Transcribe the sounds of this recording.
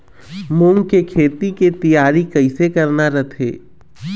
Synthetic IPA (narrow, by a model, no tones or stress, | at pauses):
mʊ̃ŋɡkekʰeːt̪iket̪ijaːɾikɐɪsekɐɾnaɾɐt̪ʰḛː